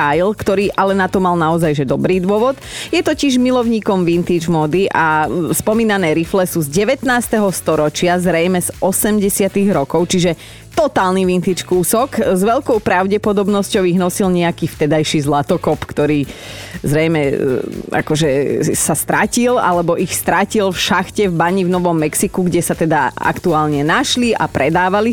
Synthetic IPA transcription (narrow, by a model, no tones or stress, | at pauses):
ajlkt̪ɔɾiːʔalɛnat̪ɔmalnaɔzajʒɛd̪ɔbɾiːd̪ʋʊɔʋɔt̪jɛt̪ɔciʒmilɔʊɲiːkɔmʋint̪iːd͡ʒmɔːd̪iʔaspɔmiːnanɛːɾiflɛsuzɟɛʋɛt̪naːst̪ɛɦɔst̪ɔɾɔt͡ʃɪazɾɛjmɛzɔsɛmɟɛsɪat̪iɣɾɔkɔʊt͡ʃiʒɛ | t̪ɔt̪aːlniʋint̪iːt͡ʃkuːsɔkzʋɛʎkɔʊpɾaʊɟɛpɔd̪ɔbnɔscɔʊiɣnɔsilɲɛakiːft̪ɛd̪ajʃizlat̪ɔkɔpkt̪ɔɾiːzɾɛjmɛ | a̰kɔʒɛsast̪ɾacila̰lɛbɔʔixst̪ɾacilfʃaxcɛvbaɲivnɔʋɔmːɛksikuɡɟɛsat̪ɛd̪aa̰kt̪uaːlɲɛnaʃliʔa̰pɾɛd̪aːʋali